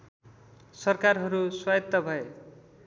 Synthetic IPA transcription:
sʌrkarɦʌɾuswajʌt̪ːʌbʱʌe

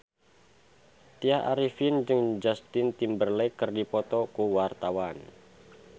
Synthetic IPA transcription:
t̪iaʔaɾifɪnd͡ʒɨŋd͡ʒast̪ɪnt̪imbərlɛkərdipɔt̪ɔkuwart̪awan

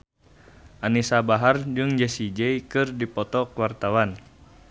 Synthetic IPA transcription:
ʔanisabaɦard͡ʒɨŋd͡ʒɛsid͡ʒɛikɨrdipɔt̪ɔkuwart̪awan

